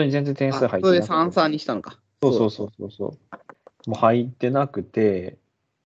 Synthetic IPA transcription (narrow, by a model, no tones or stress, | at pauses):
oɲ̟izẽnd͡zzẽ̞nt̪ẽsɨhaitsod̪esãsaːɲ̟iɕi̥t̪ãnka | soːso̞ːsoːso̰ːso̰ː | moːhait̪ːe̞nakɯ̟t̪e̞